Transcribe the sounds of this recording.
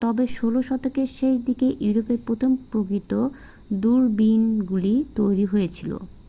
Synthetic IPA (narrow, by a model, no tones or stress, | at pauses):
t̪ɔbeʃoloʃɔt̪okeʃeʃ̬d̪ikeʔjuɾopeɾpɾot̪ʰompɾokɾit̪o | d̪uɾbinɡulit̪ojɾiɦojet͡ɕʰilo̰